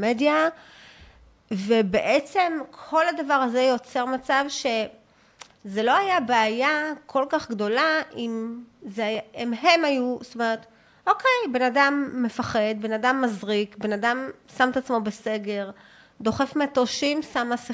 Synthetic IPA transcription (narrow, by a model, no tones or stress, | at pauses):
medja | vebeʔet͡se̞mkʰo̞ladavaʁaze̞jo̞t͡se̞ʁmat͡savʃe̞ | ze̞lo̞ajabeːjakʰo̞lkaχɡd̪o̞laimzeaimɦe̞majust̪umeʁet̪ | ʔo̞kʰe̞jbe̞nadamːe̞faχe̞d̪benadamːazʁikbe̞nadamsamet̪at͡smo̞bese̞ɡe̞ʁ | d̪o̞χe̞fmeatoʃimsamasi